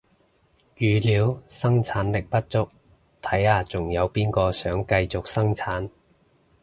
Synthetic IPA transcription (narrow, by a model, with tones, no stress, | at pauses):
jyː˨liː˨˥wsɐ˥ŋt͡sʰaː˨˥nlɪ˨k̚pɐ˥t̚t͡sʊ˥k̚ | t̪ʰɐ˨˥jaː˧t͡sʊ˨˩ŋjɐ˨˧wpiː˥nkɔː˧sœː˨˥ŋkɐ˧jt͡sʊ˨k̚sɐ˥ŋt͡sʰaː˨˥n